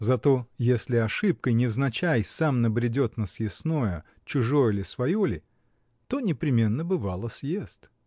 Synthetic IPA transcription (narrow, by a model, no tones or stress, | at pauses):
zɐt̪o̞jesʲlʲɪɐʂɨp̚kəjnʲɪvznɐt͡ɕæjsamnəbɾʲɪdʲo̞t̪nəsjɪsnojə | t͡ɕʊʐo̞jəlʲɪsvɐjolʲɪ | t̪o̞nʲɪpɾʲɪmʲe̞nːəbɨvalˠəsʲjest̪